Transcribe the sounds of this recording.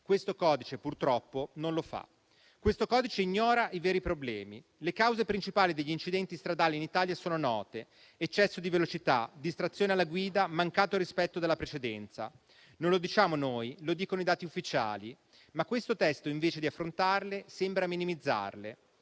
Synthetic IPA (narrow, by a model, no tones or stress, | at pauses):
kwest̪okɔːd̪it͡ʃepurt̪ɾɔpːononlofa̰ | kwest̪okɔːd̪it͡ʃeiɲːɔːɾaʔiveːɾipɾoblɛ̰ːmḭ | lekawzepɾint͡ʃipaːlid̪eʎːint͡ʃid̪ɛnt̪ist̪ɾad̪aːlinit̪aːljasoːnonɔ̰ːt̪e | et͡ʃːɛsːod̪ivelot͡ʃit̪a̰d̪ist̪ɾat̪sːjoːnealːaɡwiːd̪amaŋkaːt̪oɾispɛt̪ːod̪elːapɾet͡ʃed̪ɛnt̪sa̰ | nonlod̪it͡ʃaːmonoːjlod̪iːkonoid̪aːt̪iufːit͡ʃa̰ːli | makːwest̪ot̪ɛst̪oiɱveːt͡ʃed̪iafːɾont̪arlesembɾaminimid̪zːa̰rle